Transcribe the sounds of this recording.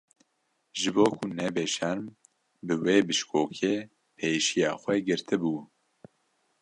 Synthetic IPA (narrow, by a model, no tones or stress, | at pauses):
ʒɨboːkʰunɛbeːʃɛɾm | bɨweːbɨʃkʰoːkʰeː | pʰeːʃijɑːxʷɛɡɨɾt̪ʰɨbuː